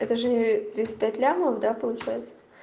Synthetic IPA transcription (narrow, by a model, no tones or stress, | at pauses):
ɛt̪əʐɨt̪ɾʲisʲpʲætʲlʲamoəfd̪apəlˠʊt͡ɕæjɪt̪sə